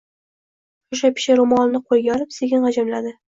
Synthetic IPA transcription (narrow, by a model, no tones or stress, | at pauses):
ʊʃ̬apʲʰɪ̥ʃaɾʊmɒlnɪqʰolˠɡʲaɒlɪpseɡʲɪnʁɑd͡ʒamlad̪ɪ